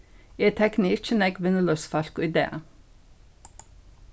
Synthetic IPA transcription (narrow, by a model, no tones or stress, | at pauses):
et̪ʰɛknɪt͡ʃənɛkʋɪnəlœsfɑlkoɪd̪ḛːə̰